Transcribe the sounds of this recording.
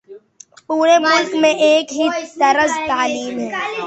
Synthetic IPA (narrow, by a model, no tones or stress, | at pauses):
puːɾemʊlkmẽʔeːkɦit̪ɐɾəzt̪aːliːmɦɛː